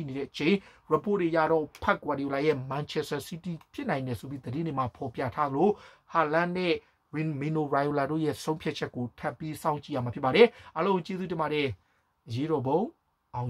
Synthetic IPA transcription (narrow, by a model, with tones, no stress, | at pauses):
i˦˨ne˨ɾɛ̰˦˨ʔət͡ɕẽ˨ɪ̃ɹa˨po˦˨de˨ja̰˦˨ɾɔ̰˦˨pʰa˦˨kwa˨ɾi˨o˨la˨jɛ˦˨mã˨nt͡ɕʰɛ˦sta˨si˦ti˨pʰjɪ˦ʔnã˨ɪ̃ndɛ˨so˨bji˦d̪ədɪ̃˦ne˨ma˨pʰɔ˨pjä̰˦˨tʰa˦d̪əlo˨ha˨lã˦nɛ˦˨ | ɹɪ̃˨mĩ˨no˨ɹa˨jo˨la˨do̰˦˨jɛ̰˦sõ˦ʊ̃mpʰja˦t̚t͡ɕʰɛ˦kːo˨tʰa˦˨pːi˦sã˦ʊ̃ɲt͡ɕḭ˦˨a˦˨ma˨pjɪ˦pa˨ɾɛ˨ʔa˦lõ˦ʊ̃t͡ɕe˦zu˦t̬ɪ̃˨ba˨ɾɛ˨ | ʔəje˦ɾɔ˨bõ˦ʊ̃ | ʔã˨